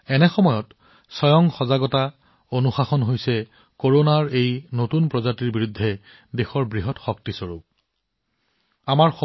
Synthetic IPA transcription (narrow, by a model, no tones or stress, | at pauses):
ɛnɛxɔmɔjɔt | sɔjɔŋxɔzaɡɔta | onuxaxɔnɦojsɛ | koɹonaɹejnotunpɹɔzatiɹbiɹudʱːɛ | dexɔɹbɹiɦɔtxɔk̚tisoɹuk̚ | amaɹxɔ